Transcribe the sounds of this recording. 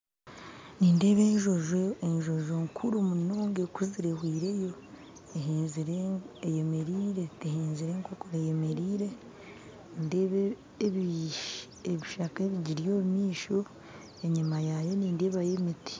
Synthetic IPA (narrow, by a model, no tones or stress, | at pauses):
niːnde̞ːβe̞ːɲʒoʒoeɲʒo̞ʒoŋkʰuɾumuno̞ːŋɡekuziɾehwiːɾe̞jo̞ | ehezɾejemeɾiːɾe̞eheːnziɾeŋkokoɾejemeɾiːɾe̞ | ndeːβe | βi | eβiʃakeβiɟiɾjoːβimiːʃo | eɲimajajo̞niːnde̞ːβajemiti̥